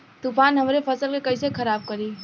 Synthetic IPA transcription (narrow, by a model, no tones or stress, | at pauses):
t̪upaːnɦəmɾepʰəsəlkekəɪsekʰəɾaːb̚kəɾiː